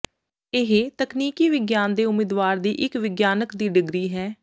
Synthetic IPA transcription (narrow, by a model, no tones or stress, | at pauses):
ɪɦet̪əkniːkiːʋɪɡjaːnd̪eːʊmɪd̪ʋaːɾd̪iːʔɪkʋɪɡjaːnəkd̪iːɖɪɡɾiːɦɛː